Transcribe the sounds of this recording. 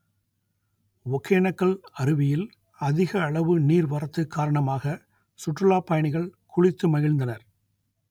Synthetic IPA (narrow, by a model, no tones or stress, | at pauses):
ʋɔkʰːeːɳɐkːɐɭɐɾɯʋɪjɪl | ɐðɪɣɐːɭɐʋɯniːɾʋɐɾɐt̪ːɯkʰːaːɾɐɳɐmaːɣɐ | sʊʈrɯlaːpːɐjɐɳɪɣɐɭkʰʊɻɪt̪ːɯmɐɣɪɭnd̪ɐnɐɾ